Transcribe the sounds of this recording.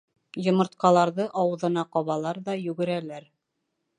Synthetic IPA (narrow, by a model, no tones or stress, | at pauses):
jŏmɤ̆ɾt̪̚qɑlˠɑɾðɤʔɑwɤ̆ðɤ̆nɑqɑβɑlˠɑɾðɑjʉɡɘ̆ɾælæɾ